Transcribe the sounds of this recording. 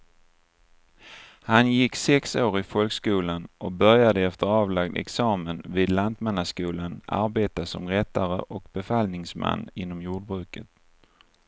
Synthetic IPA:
hanjɪkːsɛksoːɾɪfɔlɡskuːlanʔɔk̚bœɾjad̪əɛft̪əɾɑːvlaɡ̚d̪ɛ̰ksɑːmənvɪːd̪land̪mɛnːaskuːlana̰ɾbeːt̪asɔ̰mɾɛt̪ːaɾə̰ʔɔkbɛfalnɪŋsma̰nːɪnːɔmjuːɖ̚bɾʉ̟ːkət̪

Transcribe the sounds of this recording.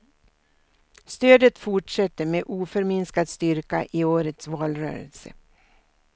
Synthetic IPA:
st̪øːd̪ət̪fʊʈʂɛt̪ːəmeːʔuːfœɾmɪnskad̪st̪ʏɾka̰ʔɪoːɾət̪svɑːlɾœ̰ːɾə̰lsə

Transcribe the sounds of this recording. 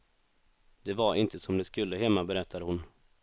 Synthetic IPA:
d̪ɛvaɾɪnt̪ʰəsɔmd̪ɛskɵlːəɦɛmːabɛɾɛt̪ʰːad̪əhʊn

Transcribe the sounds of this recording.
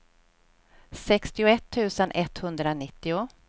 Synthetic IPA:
sɛkst̪ɪʊɛt̪ʰːʉ̟ːsənʔɛt̪hɵnd̪ɾanɪt̪ːɪʊ

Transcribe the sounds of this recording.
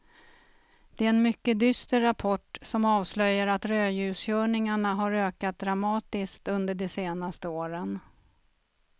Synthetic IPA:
d̪̥ɛæɛnmʏkːəd̪ʏst̪əɾapʰɔʈːsɔmɑːvslœjːəɾat̪ɾøːjʉ̟ːsjœːɳɪŋaɳaɦaɾøːkat̪̚d̪ɾamɑːt̪ɪskt̪ɵnd̪əɖɛseːnast̪əoːɾən

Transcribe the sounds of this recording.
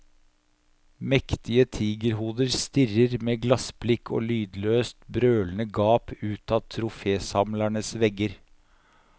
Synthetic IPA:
mɛkt̪ɪət̪ʰiːɡəɾɦuːd̪əɾst̪ɪrəɾmeːɡlɑsblɪkʰːo̰ːlyːd̪løːst̪bɾøːlənəɡɑːpʉːt̪ɑt̪ʰɾʊfeːsɑmlæɳəsʋɛɡəɾ

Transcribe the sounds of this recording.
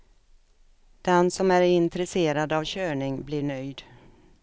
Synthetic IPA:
d̪̥ɛnsɔmæɾɪnt̪ɾɛseːɾad̪avɕøːɳɪŋblɪɳœjd̪

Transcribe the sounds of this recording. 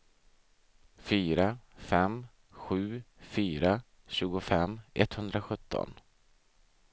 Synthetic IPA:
fyːɾafɛm | ɧʉ̟ːfyːɾa | ɕʉ̟ːɡʊfɛmːʔɛt̪hɵnd̪ɾaɧɵt̪ʰːɔ̰n

